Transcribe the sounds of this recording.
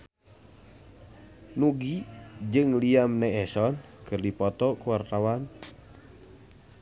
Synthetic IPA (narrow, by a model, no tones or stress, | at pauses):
nuɡid͡ʒɨŋliamnɛɛsɔnkɨrdipɔt̪ɔkuwart̪awan